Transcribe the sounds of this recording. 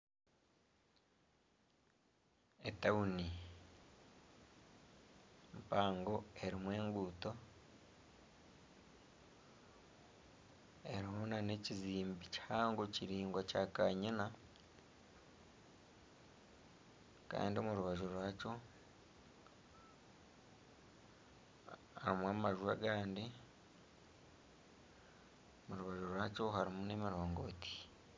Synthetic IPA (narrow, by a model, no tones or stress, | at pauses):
etauni | mpaːŋɡo̞e̞ɾimwe̞ːŋɡuːto̞ | e̞ɾiɦonane̞ciziːmbici̥haːŋɡociɾiːŋɡwacakaɲina | ka̰ːndimuɾuβaʒuɾwaco | amwaːmaʒua̰ɡaːndi | muɾuβaʒuɾwaːco̞ɦaɾimune̞ːmiɾo̞ːŋɡo̞ti̥